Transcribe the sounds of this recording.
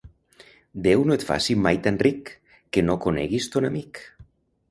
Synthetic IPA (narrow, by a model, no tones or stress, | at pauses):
d̪ewnoet̪fa̰simajt̪anrikː | enokonḛɣist̪onamik